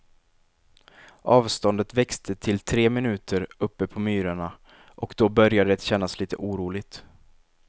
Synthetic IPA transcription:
ʔɑːvst̪ɔnd̪ət̪vɛkst̪ʰət̪ʰɪlt̪ʰɾeːmɪnʉ̟ːt̪ʰəɾɵpːəpʰɔmyːɾaɳa | ʔɔkd̪ɔbœɾjad̪ət̪ɕɛnːasliːt̪ə̰ʔuːɾuːlɪɡ̚t̪

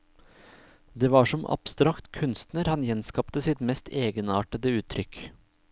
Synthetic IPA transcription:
d̪eːʋɑːʂɔmʔɑ̰b̥st̪ɾɑkt̪kʰʉnst̪nəɾhɑnjɛnskɑpt̪əsɪt̪mɛst̪ʰeːɡənɑːʈəd̪əʉːt̪ʰɾʏk

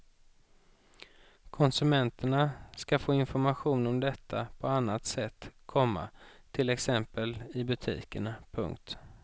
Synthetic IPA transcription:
kʰɔnsɵmɛnt̪ʰəɳaskafoːɪnfɔɾmaɧuːnɔmd̪ɛt̪ʰːapʰɔanːat̪sɛt̪ːkʰɔmːa̰t̪ʰɪlɛksɛmpəlɪbɵt̪ʰḭːkəɳapʰɵ̰ŋk̚t̪

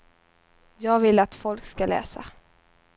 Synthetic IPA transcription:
jɑːɡvɪlːat̪fɔlkskalɛ̰ːsa̰

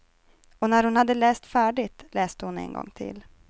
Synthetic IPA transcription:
ɔnæɾhʊnhad̪ːəlɛːst̪fæːɖɪt̪lɛːst̪əhʊnɛ̰nɡɔ̰ŋːt̪ʰɪ̰l

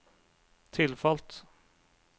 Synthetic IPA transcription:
t̪ʰɪlfɑlt̪

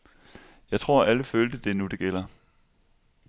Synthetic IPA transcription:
jɑ̈ɪt͡sʰʁo̝ɐ̰ʔæləføːld̥əd̥e̝nud̥e̝ɡ̥el̰ɐ

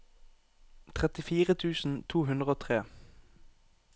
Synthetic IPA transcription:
t̪ʰʁɛt̪ɪfiːʁət̪ʰʉːsn̩t̪ʰuːhʉnd̪ʁəoːt̪ʰʁeː

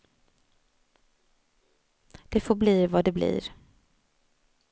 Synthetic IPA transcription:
d̪̥ɛfoːbliːvad̪ɛblḭːɾ

